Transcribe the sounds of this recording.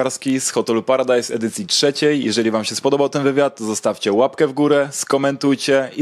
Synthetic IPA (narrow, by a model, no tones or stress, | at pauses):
aɾskʲisxɔt̪ɛlupaɾad̪ajsɛ̰d̪ɘt̪sʲjitʂɛt͡ɕɛjːjɛ̰ʐɛlʲivamɕɛspɔd̪ɔbawt̪ɛnvɘvʲjat̪ːzɔst̪afʲt͡ɕɛwapkɛvɡuɾɛskɔmɛnt̪ujt͡ɕɛi